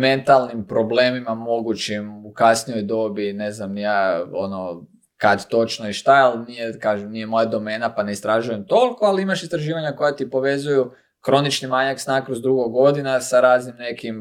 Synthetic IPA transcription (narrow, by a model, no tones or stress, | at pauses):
me̞nt̪alˠnimpɾo̞ble̞ːmimamo̞ɡut͡ʃimukasnijo̞jd̪o̞bine̞znamjaːono | kad̪t̪o̞t͡ʃnoiʃt̪aalnijekaːʒemnije̞mo̞jad̪o̞me̞ːnapane̞ist̪ɾaʒujemt̪o̞liko̞aliimaʃist̪ɾaʒiːʋaɲako̞jat̪ipo̞ʋe̞zuju | kɾo̞nit͡ʃnimaɲaksnakɾozd̪ɾuɡoɡo̞d̪inasaɾaːznimne̞kim